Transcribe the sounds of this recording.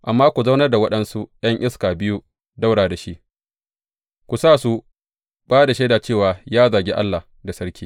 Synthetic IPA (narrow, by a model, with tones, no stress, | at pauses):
ʔa˨mːaː˦kʷu˨za˦wnɐ˦rda˨wɐ˦ɗɐ˦nsu˦j̰ɐ˦ŋʔɪ˦skaː˨bɪ˦ju˦ | da˦wɽaː˨da˨ʃi˦ʔ | kʷu˨saː˦˨su˦ | baː˦da˨ʃeː˦daː˨t͡ʃeː˦˨waː˨jaː˦zaː˨ɡʲe˦ʔa˦lːa˨h | da˨sɐ˦ɽkʲiː˦